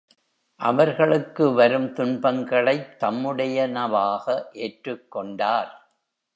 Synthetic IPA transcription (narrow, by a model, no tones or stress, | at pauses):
ʔɐʋɐɾɣɐɭɯkːɯʋɐɾɯmt̪ʊɳbɐŋɡɐɭɐɪt̪ːɐmːɯɽɐjɐnɐʋaːɣɐʔeːʈrɯkːɔɳɖaːɾ